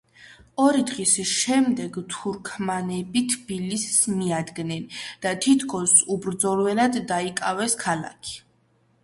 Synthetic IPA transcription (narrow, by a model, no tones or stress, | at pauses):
ɔɾid̪ʁisʃɛmd̪ɛɡt̪ʰuɾkʰmanɛbit̪ʰbilisːmiad̪ɡnɛnd̪̥at̪ʰit̪ʰkʰɔsubɾd̪zɔlwɛnad̪ːaikʼavɛskʰala̰kʰi̥